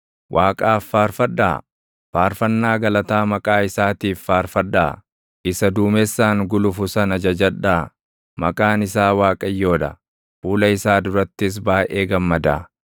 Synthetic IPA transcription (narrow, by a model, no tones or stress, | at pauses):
wʔaːkʼaːfːaːɾfɐᶑa̰ː | faːɾfɐnːaːɡɐlɐt̪aːmɐkʼaːɪsaːt̪iːfːaːɾfɐᶑːa̰ː | ɪsɐd̪uːmɛsːaːŋɡʊlʊfʊsɐnɐd͡ʒɐd͡ʒɐᶑaː | mɐ̰kʼaːnɪsaːwaːkʼɐjːo̞ːd̪ɐ̰ | fuːlɐɪsaːd̪ʊɾɐt̪ːɪs̬baːʔeːɡɐmːɐd̪a̰ː